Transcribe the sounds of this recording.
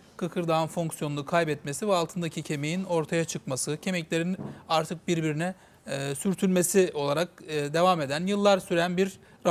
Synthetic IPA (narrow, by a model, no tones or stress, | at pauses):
kʰɯkʰɯɾd̪aːnfoŋksjo̞nunɯkʰajbɛt̪me̞sivɛalˠt̪ʰɯnd̪acʰicʰe̞me̞jino̞ɾt̪ʰajat͡ʃʰɯk̚masɯcʰe̞mɛclʲe̞ɾinaɾt̪ʰɯk̚biɾbiɾinɛ | syɾt̪ʰylme̞sio̞lˠaɾak̚ːd̪e̞vame̞d̪ænjɯlˠːaɾsyɾænbiɾ | ɾa